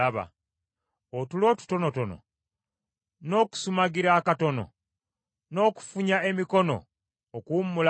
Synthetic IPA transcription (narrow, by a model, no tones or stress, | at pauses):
aβa̰ | otulo̞ːtu̥to̞no̞to̞no̰ | no̞ːku̥sumaɡiɾaːkato̞no̞̰ | no̞ːku̥fuɲae̞miko̞no̞̰ː | kuːmːula